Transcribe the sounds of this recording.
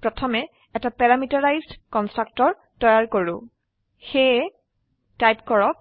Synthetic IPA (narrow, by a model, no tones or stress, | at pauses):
pɹɔtʰɔmɛ | ɛtapɛɹamitaɹajzdkɔnstɹak̚tɔɹ | tɔjaɹkoɹʊ̃ | xe | tajpkɔɹɔk